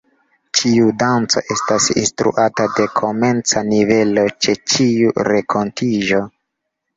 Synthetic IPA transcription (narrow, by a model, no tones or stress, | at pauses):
t͡ʃiudant͡so̞̰ʔe̞stasḭnstɾṵʔatade̞kʰo̞ment͡sanive̞lo̞t͡ʃe̞t͡ʃiuɾʔe̞kʰo̞ntʰiʒo̞